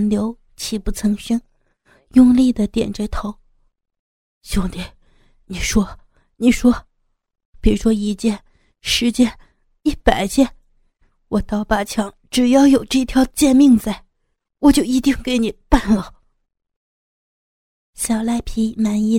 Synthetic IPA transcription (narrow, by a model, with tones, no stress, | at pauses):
nljo˧˥ʊ | t͡ɕʰi˧˥˩pu˧˥˩t͡sʰɤ˧˥ŋɕi˥ŋ | jʊ˥˧ŋli˥˩d̪ə˩t̪jɛ̰˨˩nt͡ɕɛ˧˥t̪ʰo˧˥ʊ | ɕjʊ˥˩ŋt̪i˧˩ | ni˨˩ʂwɔ˥ | ni˨˩ʂwɔ˥ | pi˨˩ɻu˧˥ʂwɔ˥i˧˥t͡ɕjɛ˥˧n | ʂɻ̩˧˥t͡ɕjɛ˥n | i˥˩pa˨˩ɪt͡ɕjɛ˥˩n | wɔ˨˩t̪ɑ˥˩ʊpa˥˩t͡ɕʰjɑ˧˥˦ŋʈ͡ʂɻ̩˨˩jɑ˥˩ʊjo˨˩ʊʈ͡ʂɤ˥˩i˧t̪ʰjɑ˧˥ʊt͡ɕjɛ˥˧nmi˥˧ŋt͡sa˥˩ɪ | wɔ˨˩t͡ɕjo˥˩ʊi˧˥t̪i˥˩ŋke˧˥ɪni˨˩pa˥˩nlə˩ | ɕja˨˩la˥˩ɪpʰi˧˥na˧˥ni˥